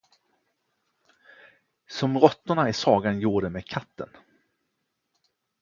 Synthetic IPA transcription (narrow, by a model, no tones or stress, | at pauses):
sɔmɾɔt̪ːʊɳaɪsɑːɡanjuːɖəmeːkʰat̪ʰːə̰n